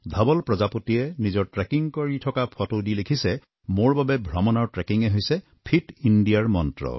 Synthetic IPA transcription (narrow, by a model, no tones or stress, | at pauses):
d̪ʱabɔlpɹɔd͡ʒapotienid͡ʒɔɹʈɹekiŋkɔɹitʰɔkapʰɔtodilekʰise | moɹbabebʱɹɔmɔnaɹʈɹekiŋeɦojse | pʰiʈinɖijaɹmɔntɹɔ̰